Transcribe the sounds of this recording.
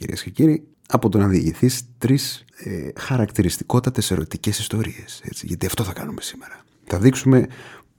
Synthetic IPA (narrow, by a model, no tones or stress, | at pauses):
ḭɾḭesce̞ciɾi | ɐpo̞t̪o̞nɐðiɐʝiθist̪ɾisexɐɾɐkt̪iɾist̪i̥ko̞t̪ɐt̪eseɾo̞t̪ice̞sist̪o̞ɾie̞se̞t͡sḭʝɐt̪iɐft̪o̞θɐkɐnume̞si̥me̞ɾɐ | θɐðiksume̞